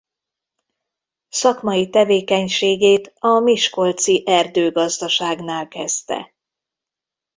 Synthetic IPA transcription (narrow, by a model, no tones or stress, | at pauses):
sɒkmɒjit̪ɛveːkɛɲʃeːɡeːt̪ɒmiʃko̞lt̪siʔɛrd̪øːɡɒzd̪ɒʃaːɡnaːlkɛst̪ɛ̰